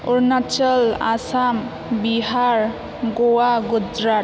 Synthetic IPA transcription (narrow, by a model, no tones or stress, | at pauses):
uɾnat͡ʃʌla̰sam | biɦaɾ | ɡowaɡud͡ʒɾa